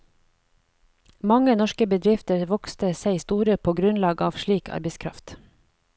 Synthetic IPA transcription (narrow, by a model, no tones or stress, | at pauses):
mɑŋənɔʃkəbəd̪ɾɪft̪əɾʋɔkst̪əseɪst̪uːɾəpʰoːɡɾʉnlɑːɡɑːʋʃɭiːkʰɑ̰ɾbɛɪskʰɾɑ̰ft̪